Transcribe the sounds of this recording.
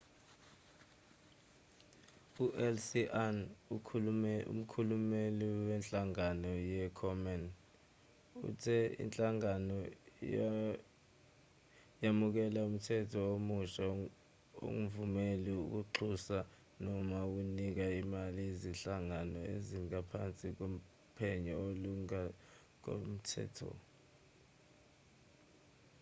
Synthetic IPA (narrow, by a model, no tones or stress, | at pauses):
uʔɛlsiʔanukʰɛṵm̩kʰulumeliwɛnt͡ɬʼaŋanɔjɛkʰɔmɛn | ṵtʰɛḭnt͡ɬʼaŋanɔj | jamuk̬ɛlaum̩tʰɛtʰɔomuʃa | o̰ŋ̩vumeliṵk̬uǁʰusa | nɔmak̬unik̬aimaliziɬaŋanɔḛziŋapʰant͡sʼik̬om | pʰɛɲɔoluŋa | k̬o̰m̩tʰɛ̰ːtʰɔ̰